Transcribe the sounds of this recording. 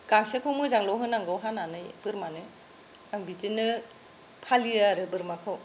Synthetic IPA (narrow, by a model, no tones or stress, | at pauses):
ɡ̥aŋsekʰɔmɯzaŋlɔwɦɯnaŋɡɔwɦananɯjb̥ɯɾmanɯ | aŋbitinɯ | pʰalijaɾɯbɯɾmakʰɯw